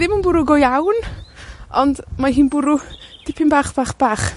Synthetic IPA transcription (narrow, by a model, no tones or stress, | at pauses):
ðɪmənbʊɾʊɡɔjawn | ɔndmaɦiːnbʊɾʊd̥ɪpʰɪmbaːχb̥aːχb̥aːχ